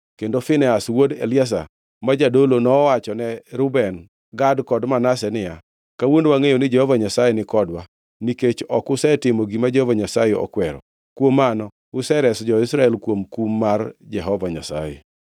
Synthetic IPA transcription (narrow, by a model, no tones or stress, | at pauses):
kendofɪnɛaswodḛljas̬a̰ | mad͡ʒadolonɔːwat͡ʃɔnɛɾʊbɛn | ɡadkɔdmanasɛnɪja | kawondwaŋejonɪd͡ʒɛhɔvaɲasajɛnɪkɔdwa | niket͡ʃɔkʊsɛtɪmoɡimad͡ʒɛhovaɲasajɛɔ̰kwɛɾɔ̰ | kwomːanɔ | ʊsɛɾɛsd͡ʒɔɪsɾaɛlkwomkumːard͡ʒɛɦɔvaɲa̰sa̰jɛ̰